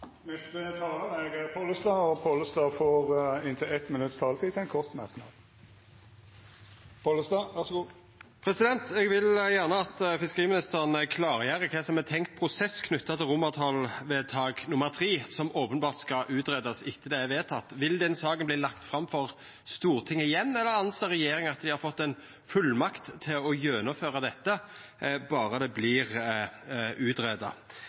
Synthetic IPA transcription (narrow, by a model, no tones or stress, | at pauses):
nɛst̪ət̪ʰɑːlənɛɡæpʰɔləst̪ɑːɔpʰoləsd̪ɑːfoːʁɪnt̪ʰəɛt̪ːmɪnʉt̪ːst̪ʰɑːlət̪ʰiːt̪ʰɛɪnkʰɔʁt̪mæʁknɑ̰d̪ | pʰoləsd̪ɑʋɑʁsɔɡuː | pʰɾɛsɪd̪ɛnt̪ɛɡʋɪljæʁnəɑt̪fɪskəʁiːmɪnɪst̪əʁnəkʰlɑːʁjæɾəkʰɛːsɔmɛt̪ʰɛŋkt̪̚pʰʁʊsɛskʰnʉt̪ːɑt̪ʰɪlʁʊmɑʁt̪ʰɑlʋeːt̪ʰɑːɡnʊməʁt̪ʰɾiːsɔmoːpənbɑːʁt̪skɑʔʉːt̪ɾeːd̪ɑsɪt̪ːəd̪ɛæʋeːt̪ʰɑt̪ːʋɪld̪ɛnsɑːɡənbliːlɑkt̪fɾɑmfɔʁ | st̪uːʁt̪ʰɪŋːəɪjɛnːɛlːəɾɑnseːɾɛjeːɾɪŋɑt̪d̪ɪhɑɾfɔt̪ːɛɪn | fʉlːmɑkt̪ʰːɪlɔjøːnʊføːʁɑd̪ɛt̪ːə | bɑːɾəd̪ɛblɪːʁ | ʔʉːt̪ɾeːd̪ɑ̰